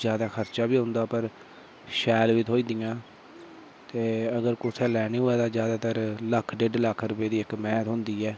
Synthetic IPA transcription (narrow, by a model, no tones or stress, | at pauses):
d͡ʒjaːd̪aːkʰəɾt͡ʃaːbiːɦʊ̃nd̪aːpəɾ | ʃɛːlʋit̪ɦoːiːd̪ijãː | t̪eːəɡəɾkʊsʰɛːlɛːniːɦoːɛːt̪aːd͡ʒjaːd̪aːt̪əɾləkʰɖeɖləkʰːɾʊpeːd̪iːɪkmɛ̃ːt̪ɦʊ̃nd̪iːɛː